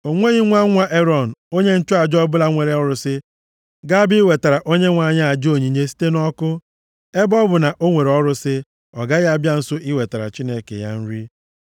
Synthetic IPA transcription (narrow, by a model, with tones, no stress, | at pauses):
o˨ŋʷe˦ɣi˦ŋʷa˦ŋʷa˦ʔe˦ɾɔ˨n̩˨o˦ɲe˦n̩˦t͡ʃʊ˦a˨d͡ʒɔ˦bʊ˦la˦ŋʷe˨ɾe˨˦ɔ˦ɾʊ˨sɪ˦ | ɡa˦bi˦i˦we˨ta˨ɾa˨ʔo˦ɲe˦ŋʷa˨˦ɲa˦a˨d͡ʒo˨ɲi˨ɲe˦si̥˦te˦nɔ˦kʊ˦ | e˦bɔ˦bʊ˨na˨ʔo˦ŋʷe˨ɾe˨ɔ˦ɾʊ˦sɪ˦ | ɔ˨ɡa˦ɣa˦bja˦n̩˦sʊ˦ʔi˦we˨ta˨ɾa̰˨t͡ʃi˦ne˦kḛ˨ja̰˦n̩˦ɾi˦